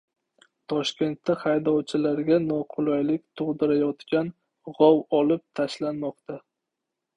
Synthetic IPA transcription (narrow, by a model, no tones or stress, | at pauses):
t̪ʰɒʃkʲe̞nt̪ːaχajd̪ɒwt͡ʃʰɪlaɾɡʲanɒqʰʊlˠajlɪkʲt̪ʰʊʁd̪ɪɾajɒt̪kʲan | ʁɒwɒlɪp̚t̪ʰaʃlanmɒqt̪ʰa